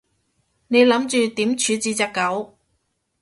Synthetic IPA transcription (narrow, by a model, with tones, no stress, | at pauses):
ne˨˧jlɐ˨˥mt͡ʃyː˨˧t̪iː˨˥mt͡ʃʰyː˨˧t͡siː˧t͡sɐ˨˧kːɐ˨˥w